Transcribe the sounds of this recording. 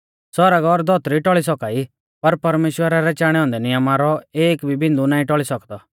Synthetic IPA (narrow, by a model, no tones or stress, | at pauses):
sɔɾaɡɔɾd̪ʱɔt̪ɾiʈɔɭis̬ɔkaːi | pɐɾpɐɾmeːʃwəɾaɾɛt͡ʃaːɽ̃ɛɦɔ̃ːnd̪ɛnɪjəmaɾɔeːkbʱibɪ̃nd̪unãːĩʈɔɭisɐkd̪ɔ